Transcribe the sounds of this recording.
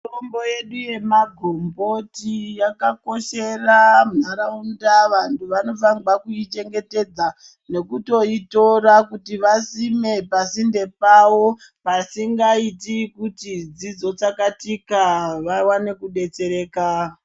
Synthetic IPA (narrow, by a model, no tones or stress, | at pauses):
murombo̞je̞ɗuje̞maɡʱombo̞tijakako̞ʃe̞ramnaɾaundaʋantʰuʋano̞faŋɡwakuit͡ʃe̞ŋɡe̞te̞d͡za | ne̞kuto̞ito̞ɾakutiʋasime̞pasinde̞pawo̞ | pasiŋɡaitikutid͡zid͡zo̞t͡sakatikaʋawane̞kuɗe̞t͡se̞ɾe̞ːka